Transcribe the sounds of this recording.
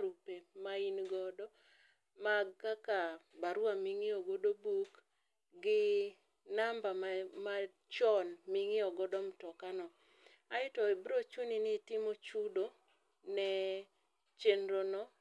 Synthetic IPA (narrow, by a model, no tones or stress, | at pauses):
ɾupemainɡɔdɔ | maɡkakabaɾwamiŋɪɔɡodobuk | ɡɪ | nambama | t͡ʃɔnmiŋɪɔɡɔdɔmtɔkanɔ | aɪtɔebɾot͡ʃuninɪtɪmot͡ʃudo | nɛ | t͡ʃenɾonɔ